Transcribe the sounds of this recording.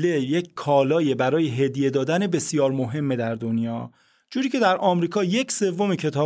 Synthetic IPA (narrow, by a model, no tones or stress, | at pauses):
lejeckʰɒːlɒːjebæɾɒːjeɦe̞d̪je̞d̪ɒːd̪ænebe̞sjɒːɾmo̞ɦe̞mːe̞d̪æɾd̪onjɒː | d͡ʒuːɾiːcʰe̞d̪æɾʔɒːmɾiːkʰɒːje̞cʰse̞vːo̞mecʰe̞t̪ʰɒː